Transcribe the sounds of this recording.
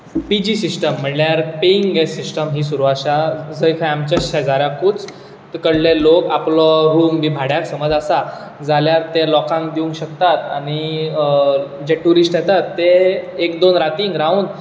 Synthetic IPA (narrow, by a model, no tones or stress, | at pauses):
pid͡ʑisisʈəm̤ːəɳljaɾpeŋɡɡesisʈəmɦiːsuɾuʋaɕad͡zəjkʰajamt͡ɕəɕad͡zaɾjakut͡s | t̪kəɽleloka̰plɔɦuːnʋibʱaɽjaksəməd͡zasa | d͡zaljaɾt̪elɔkãŋk̚d̪iuŋkɕəkt̪at̪añi | d͡ʑeʈuɾisʈjɛt̪at̪ːeːkd̪onɾat̪iŋɡɾauːn